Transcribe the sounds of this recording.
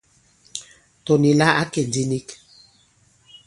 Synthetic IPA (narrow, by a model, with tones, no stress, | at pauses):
to˨ni˨la˦a˦ke˨ndi˦ni˦k